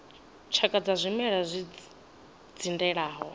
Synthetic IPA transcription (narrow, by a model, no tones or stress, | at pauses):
t͡ʃʰakʼad͡zazʷimɛɺazʷi | d͡zindɛɺaːɦɔ